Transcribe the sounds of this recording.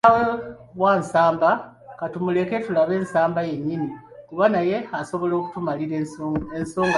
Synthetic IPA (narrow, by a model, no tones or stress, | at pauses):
aweβwaːnsaːmba | katumule̞ke̞tulaβe̞ːnsaːmbaje̞ɲːini | kuβanaje̞aso̞βo̞lo̞ːku̥tumaliɾenso̞ːŋɡ